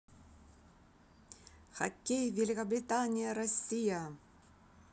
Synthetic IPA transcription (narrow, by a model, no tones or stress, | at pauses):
xɐkʲːejvʲelʲɪkɐbɾʲɪt̪anʲɪjɐɾɐsʲːijɐ